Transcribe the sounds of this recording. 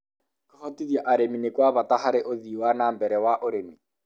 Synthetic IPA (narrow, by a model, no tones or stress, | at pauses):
kohɔtiðiaʔaɾeminekwaβataɦaɾeʔoðiwanaːmbɛɾɛwaʔoɾemi